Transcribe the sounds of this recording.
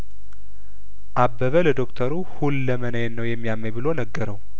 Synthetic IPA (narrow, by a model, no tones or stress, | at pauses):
ʔabːəβələd̪o̞kt̪ʰəɾuhulːəmənəjnːəwjɛmːijamːəjbɨlo̞nəɡːəɾəw